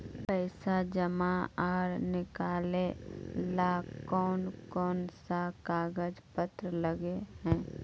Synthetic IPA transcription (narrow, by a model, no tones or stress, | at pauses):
pɛɪsad͡ʒəmaaːɾnɪkaːlelakɔːnkɔːnsakaːɡəd͡ʒpət̪ɾələɡeɦɛ̃ː